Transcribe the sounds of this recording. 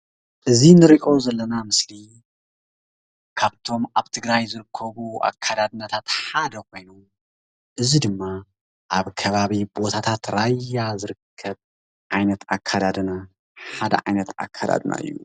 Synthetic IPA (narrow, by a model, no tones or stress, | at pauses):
ʔɨzinɨɾiʔo̞zɐlːɐnamɨsli | kʰaβt̪ʰo̞mʔaβt̪ʰɨɡɾajzɨɾɨkʰːɐβuʔa̰kʰːad̪ad̪ɨnat̪ʰat̪ħad̪ɐkʰo̞jnom | ʔɨzid̪ɨmːa | ʔaβkʰɐβaβibo̞t̪ʰat̪ʰat̪ɾajːazɨɾɨkʰːɐβ | ʕajnɐt̪akʰːad̪ad̪ɨna | ħad̪ɐ̰ʕajnɐt̪a̰kʰːad̪a̰d̪na̰ɨ̰jːu